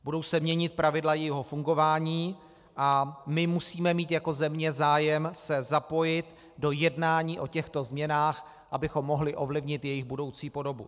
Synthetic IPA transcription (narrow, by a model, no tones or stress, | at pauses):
budo̞wsɛmɲɛɲɪt̪̚pɾavɪdlajɛjiɦo̞fuŋɡo̞vaːɲiː | ʔamɪmusiːmɛmiːt̪jako̞zɛmɲɛzaːjɛmsɛzapo̞jɪt̪ | do̞jɛdnaːɲiːʔo̞cɛxt̪o̞zmɲɛnaːx | ʔabɪxo̞mːo̞ɦlɪʔo̞vlɪvɲɪt̪jɛjɪɣbudo̞wt͡siːpo̞do̞bṵ